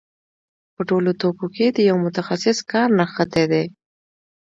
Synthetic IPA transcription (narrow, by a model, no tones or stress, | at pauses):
pəʈolot̪okoked̪əjawmʊt̪axasɪskɑɾnaxat̪ed̪e